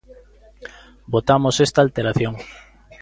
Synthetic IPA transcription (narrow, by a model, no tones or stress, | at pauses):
bot̪amosest̪aːlt̪eɾaθjoŋ